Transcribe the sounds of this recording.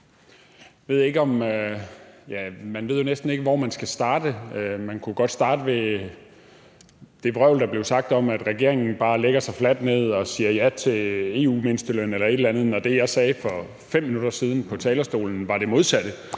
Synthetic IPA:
ʋe̝ð̞ˠe̝ɡ̥əɒ̽mø | jæmænʋe̝ð̞̰ˠjo̝nesd̥n̩e̝ɡ̥əʋɒmænsɡ̥æsd̥ɑ̈ːd̥əmænkʰuɡ̥ɒ̽d̥sd̥ɑ̈ːd̥əʋe | d̥e̝ʋʁœʊld̥ɑ̈b̥le̝ʊsɑ̈ɡ̥̚d̥ɒ̽mæd̥ʁaɡ̥e̝ɐ̰e̝ŋn̩b̥ɑ̈ːleɡ̥ɐsɑ̈ɪflæd̥ne̝ð̞̰ˠɒ̽siːɐjæt͡sʰe̝le̝ːṵːmensd̥əlønelɐe̝d̥lænð̩ˠnɒd̥e̝jɑ̈ɪsɛːfɒ̽ | fem̰ːinud̥ɐsiːð̞ˠn̩pʰɒ̽t͡sʰɛːlɐsd̥o̝̰ːln̩ʋɑ̈ɾ̥e̝mo̝ð̞ˠsæd̥ə

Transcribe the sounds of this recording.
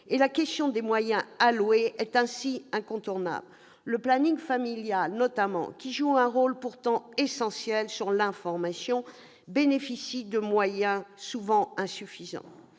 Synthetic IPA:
elakʲɛst̪jɔ̃d̪emwajɛ̃alweɛt̪ɛ̃siɛ̃kɔ̃t̪uʁna̰bl | ləplaniŋfamiljalnɔt̪amɑ̰̃kʲiʒuɛ̃ʁolpuʁt̪ɑ̃esɑ̃sjɛlsyʁlɛ̃fɔʁmasjɔ̃ | benefisid̪əmwajɛ̃suvɑ̃ɛ̃syfizɑ̰̃

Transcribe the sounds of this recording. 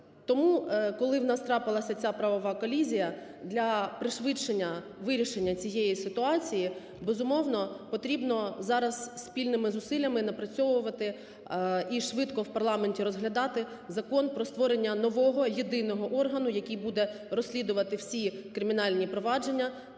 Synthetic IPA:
t̪ɔmukɔlˠɪwnɑst̪ɾɑpɪlˠɐsʲɐt͡sʲapɾɐʋɔʋɑkɔlʲizʲijɐ | d̪lʲɐpɾɪʃʋɪt͡ʃenʲːɐ | ʋɪɾʲiʃenʲːɐt͡sʲijejisɪt̪ʊɑt͡sʲiji | bezʊmɔwnɔpɔt̪ɾʲibnɔzɑɾɐzsʲpʲilʲnɪmɪzʊsɪlʲːɐmɪnɐpɾɐt͡sʲɔʋʊʋɐt̪ɪ | iʃʋɪt̪kɔwpɐrlˠɑmenʲtʲiɾɔzɦlʲɐd̪ɑt̪ɪ | zɐkɔnpɾɔst̪ʋɔɾenʲːɐnɔʋɔɦɔjid̪ɪnɔɦɔʔɔrɦɐnʊjɐkʲijbud̪ɛ | ɾɔsʲlʲid̪ʊʋɐt̪ɪwsʲikɾɪmʲinɑlʲnʲipɾɔʋɑd͡ʒe̞nʲːɐ

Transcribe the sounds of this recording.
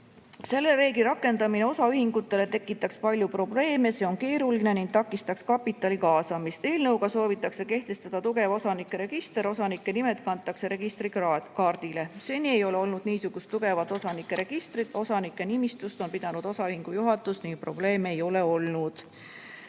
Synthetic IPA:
se̞lːe̞ɾe̞ːɡiɾɑkːˑe̞nd̪̥ɑmine̞osɑyhiŋɡut̪ːˑe̞le̞t̪e̞kːˑit̪ːˑɑkspɑlʲjupro̞ble̞ːme̞se̞o̞nke̞ːɾuline̞niŋɡ̥̚t̪ɑkːˑist̪ɑkskɑpit̪ːˑɑlikɑːsɑmist̪e̞ːlnɤwɡɑso̞ːvit̪ːˑɑkse̞ke̞ht̪e̞st̪ɑd̪̥ɑt̪uɡ̥e̞vo̞sɑnikːˑeɾe̞ɡ̥ist̪e̞ɾo̞sɑnikˑːe̞nime̞t̪̚ˑkɑnt̪ːˑɑkse̞ɾe̞ɡist̪rikɑːrd̪̥ile̞se̞ːnʲie̞jo̞le̞o̞lnud̪̥̚niːsuɡ̥ust̪ːuɡ̥e̞vɑt̪ːˑo̞sɑnikːˑe̞ɾe̞ɡ̥ist̪rid̪̥o̞sɑnikːˑe̞nimist̪ust̪o̞npid̪̥ɑnud̪̥o̞sɑyhiŋɡ̥ujuɦɑt̪ːˑust̪niŋɡ̥̚pro̞ble̞ːme̞jo̞le̞o̞lnud̪̥

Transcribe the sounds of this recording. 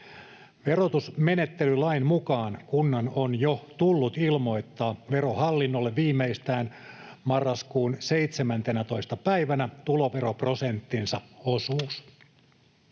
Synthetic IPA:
ʋe̞rot̪usme̞net̪ːelylɑinmukɑːnkunːɑnonjot̪ulːut̪ilmo̞jt̪ːɑːʋe̞ɾohɑlːinːolːeʋʋiːmːeist̪æːnmɑrːɑskuːnse̞jt̪semænt̪enæt̪o̞ist̪ɑpæiʋænæt̪ulo̞ʋe̞ɾoprosent̪ːinsɑosuːs

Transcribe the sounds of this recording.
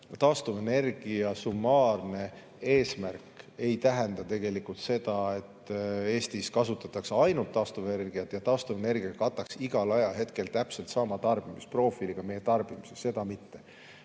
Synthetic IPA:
t̪ɑːst̪uvene̞rɡ̥iɑsumːɑːrne̞ | e̞ːsmærke̞jt̪æɦend̪ɑt̪e̞ɡ̥e̞likːult̪se̞d̪ɑe̞t̪ːe̞ːst̪iskɑsut̪ːˑɑt̪ːˑɑksɑjnult̪ːɑːst̪uveerɡ̥ijɑt̪jɑt̪ɑːst̪uvene̞rɡ̥iɑkɑt̪ːˑɑksiɡ̥ɑlɑjɑlɦe̞t̪ke̞lt̪æpse̞lt̪sɑmɑt̪ɑrb̥imispro̞ːfiliɡ̥ɑme̞jet̪ɑrb̥imisesse̞d̪̥ɑmit̪ːe̞

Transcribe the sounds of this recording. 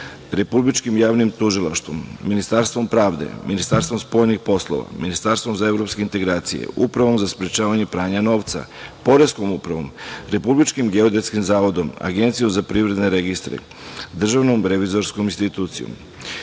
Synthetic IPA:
ɾe̞publit͡ʃkimjaːʋnimt̪uʒilˠaʃt̪ʋomːinist̪aɾst̪ʋo̞mpɾaːʋd̪ḛminist̪aɾst̪vo̞mspo̞ːjnixpo̞slˠo̰ʋa̰minist̪aɾst̪vomzae̞vɾo̞pskeint̪e̞ɡɾaːt̪sḭjḛupɾaʋo̞mzaspɾet͡ʃaːʋaɲe̞pɾaːɲano̞ːʋt̪sa̰po̞ɾe̞sko̞mupɾaʋo̞mɾe̞publit͡ʃkimɡe̞od̪et̪skimzaːʋo̞d̪o̞ma̰ɡe̞nt̪sijomzapɾiːvɾe̞d̪ne̞ɾeɡist̪ɾḛ | d̪r̩ʒaʋnomɾe̞ʋizo̞ɾskominst̪it̪uːt̪sijo̰m

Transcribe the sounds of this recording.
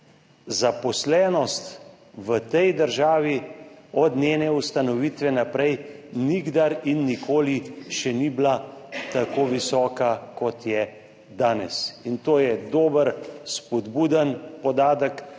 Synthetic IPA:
zapɔslɛːnɔst̪ | ʋət̪ɛjd̪əɾʒaːʋiɔd̪nʲjeːnɛust̪anɔʋiːt̪ʋɛnapɾɛj | niɡd̪aɾinːikʰoːliʃɛniblat̪akoːʋisɔːkakɔt̪jɛ | d̪aːnɛ̰sint̪oːjɛd̪oːbəɾspɔd̪buːd̪ənpɔd̪aːd̪ək

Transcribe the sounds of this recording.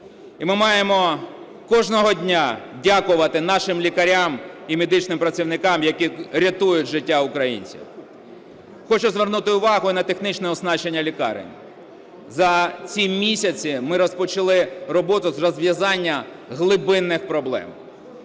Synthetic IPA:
imɪmɑjemɔ | kɔʒnɔɦɔdʲnʲadʲakʊʋɐt̪ɪnɑʃɪmlʲikɐɾʲamimed̪ɪt͡ʃnɪmpɾɐt͡sʲiwnɪkɑmjɐkʲiɾʲɐt̪ujʊtʲʒɪtʲːaʊkɾɐjḭnʲt͡sʲḭw | xɔt͡ʃʊzʋernut̪ɪʊʋɑɦʊinɐt̪exnit͡ʃnɛɔznɑt͡ʃenʲːɐlʲikɑ̰ɾɪ̰nʲ | zɐt͡sʲimʲisʲɐt͡sʲimɪɾɔspɔt͡ʃɐlˠɪrɔbɔt̪ʊzrɔzʋʲjɐzɑnʲːɐ | ɦlˠɪbɪnːɪxpɾɔblˠɛ̰m

